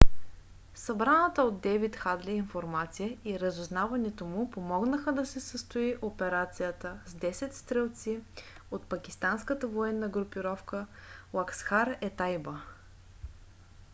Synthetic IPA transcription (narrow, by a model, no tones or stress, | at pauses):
sɐbɾanət̪əod̪ːɛvit̪xad̪liinfoɾmat̪sijəiɾəzʊznavɐnɛt̪omupomɔɡnəxəd̪ɐsɛsəst̪ʊiʔopɛɾat̪sijət̪əzd̪ɛsɛt̪st̪ɾɛlˠt̪si | ot̪pɐkʲist̪anskət̪əvoɛnːəɡɾʊpiɾɔfkəlˠaksxaɾɛt̪ajbə